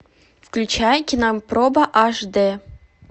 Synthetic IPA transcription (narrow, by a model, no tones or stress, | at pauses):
fklʲut͡ɕæjkʲinaprobəʔɑʐd̪ɘ